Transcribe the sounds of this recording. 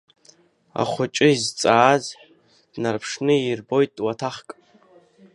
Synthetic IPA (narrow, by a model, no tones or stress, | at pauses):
a̰χʷʊt͡ʃʼɨizt͡sʼaːzħ | d̥narpʰʂnɨirbo̞jtʼwatʰaχkʼ